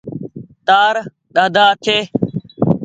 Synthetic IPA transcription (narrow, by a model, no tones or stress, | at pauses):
t̪aːɾ | ɗ̪aːd̪ʱaːt̪ʰeː